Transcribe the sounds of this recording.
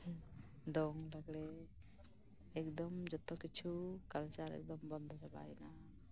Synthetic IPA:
d̪ɔŋləɡɽe | ɛkd̪ɔmd͡ʒɔt̪ɔkit͡ʃʰukalt͡ʃaɾɛ̰k̚d̪ɔmbɔnd̪ʱɔd͡ʒaba̰jna

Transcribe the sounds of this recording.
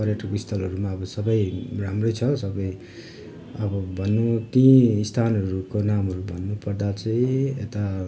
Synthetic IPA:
pʌrjeʈʌkist̪ʰʌlɦʌɾumaʌbʌsʌbʌjramrʌjt͡sʰʌsʌbʌj | ʌbʌbʱʌnːut̪ĩist̪ʰanʌɾukonamɦʌɾubʱʌnːupʌrd̪at͡sʌĩet̪a

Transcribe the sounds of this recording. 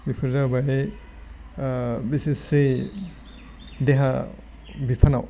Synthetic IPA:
bipʰɯɾzabaɾe | bisise | deɦa | bipʰana̰w

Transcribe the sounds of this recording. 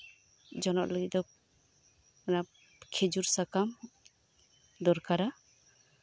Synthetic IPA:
d͡ʒɔnɔ̰ʔləɡit̪̚d̪ɔ | ana | kʰed͡ʒuɾsakam | d̪ɔɾkaɾa

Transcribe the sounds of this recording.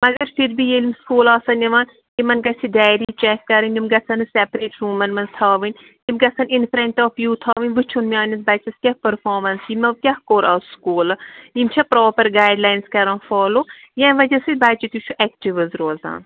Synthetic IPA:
mɐɡɐɾfʰiɾbijelimskuːlaːsɐnʲɐʋaːn | kimɐnɡɐsʰiɖaːjɾit͡ʃɛkːɐɾɐnʲd̪ʲimɡɐt͡sʰɐnɨsɛpɾeːʈɾuːmɐnmɐnt̪ʰaːʋɨnʲ | jimɡɐt͡sʰɐninpɾɐɳʈɔːfjuːt̪ʰaːʋɨnʲʋɨt͡ʃʰunmʲiaːnʲɐsbɐt͡ʃɐskʲɐhpəɾfʰɔːɾmɐnsjimɐʋkʲɐhkoːɾa̰ːskuːlɐimt͡ʃʰɐpɾɔːpəɾɡaːjɖlaːjnskɐɾãːnfɔːloː | jãʋɐd͡ʒɐsɨbaːt͡ʃit̪ut͡ʃʰuʔɛkʈiʋɐzɾoːza̰ːn

